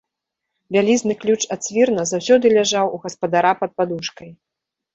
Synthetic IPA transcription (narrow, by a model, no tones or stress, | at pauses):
vʲalʲiznɨklʲut͡ʂat̪sʲvʲirnɐzawsʲɔd̪ɨlʲaʐawuɣɐspɐd̪aɾapɐt̪̚pad̪uʂkɐj